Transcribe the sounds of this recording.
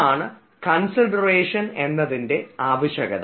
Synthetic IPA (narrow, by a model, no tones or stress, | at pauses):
aːɳɨ | kɐnsɐɖɐreːʂɐne̞nːɐðinde̞aːʋɐɕɐɣɐ̰ð